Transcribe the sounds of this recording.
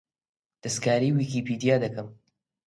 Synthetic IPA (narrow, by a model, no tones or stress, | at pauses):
d̪̥ɐskaːɾiːwiːkiːpiːd̪ijaːd̪ɐkɐm